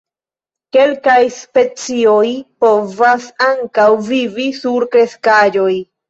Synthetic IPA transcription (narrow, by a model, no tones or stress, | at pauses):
ke̞lkajspe̞t͡sio̞jpo̞vasaŋkawvivisuɾkɾe̞skad͡ʒo̞j